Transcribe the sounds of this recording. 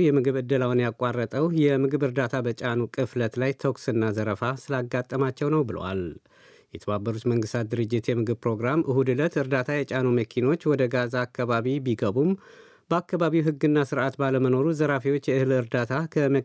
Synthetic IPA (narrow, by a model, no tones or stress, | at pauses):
jɛmɨɡɨβɨd̪ːəlawnjakʼːarːət̪ʼəwjɛmɨɡɨβɨɾd̪at̪ʰabət͡ʃʼanukʼɨflət̪lajt̪ʰoksɨnːazəɾəfasɨlaɡːat̪ʼːəmat͡ʃːɛwnəwbɨlə̰wa̰l | jɛt̪ʰəβabːəɾut̪məŋɡɨst̪ʰat̪̚d̪ɨɾɨd͡ʒːɪt̪jɛmɨɡɨbpɾo̞ɡɾamʔɨhud̪ɨlət̪ɨɾd̪at̪ʰajɛt͡ʃʼanuməkʰino̞t͡ʃːwɔd̪əɡazaːkːaβaβibiɡəβum | bəakːaβaβiwɦɨɡɨnːasɨɾʔat̪baləməno̞ɾuzəɾafiwo̞t͡ʃːjɛɨhɨlɨɾd̪at̪ʰakʰəmə